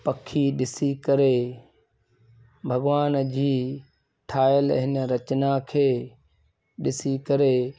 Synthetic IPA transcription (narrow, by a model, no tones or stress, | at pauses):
pɐkʰːiɗɪsikɐɾe | bʱɐɡʋaːnd͡ʑiː | ʈʰaːjəlɦɪnɾɐt͡ɕnakʰeː | ɗɪsikɐɾeː